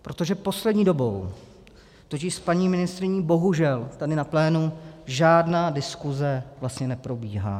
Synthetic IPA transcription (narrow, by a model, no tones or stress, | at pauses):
pɾot̪o̞ʒɛpo̞slɛdɲiːdo̞bo̞̰w | t̪ocɪʃspaɲiːmɪnɪst̪ɾɪɲibo̞ɦuʒɛlt̪adɪnaplɛːnuʒaːdnaːdɪskuzɛvlast̪ɲɛnɛpɾo̞biːɦa̰ː